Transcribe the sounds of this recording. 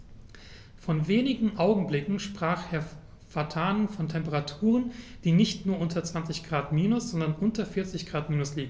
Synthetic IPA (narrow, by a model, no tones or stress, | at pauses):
fɔnveːnɪɡŋ̩ʔaʊɡŋ̩blɪkŋ̩ʃpʁ̥aːχeːɐ | fatʰaːnənfɔntʰɛmpəʁatʰuːʁənd̥iːnɪçtnuːɐʔʊntɐt͡sv̥ant͡sɪçɡ̥ʁaːtmiːnʊsz̥ɔndɐnʔʊntɐfɪɐt͡sɪçɡ̥ʁaːtmiːnʊsliːɡŋ̩